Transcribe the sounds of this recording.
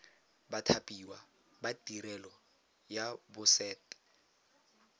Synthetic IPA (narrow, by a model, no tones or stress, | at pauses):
batʰapʼiwa | batʼiɾɛlɔ | jabʊsɛːtʼɛ̥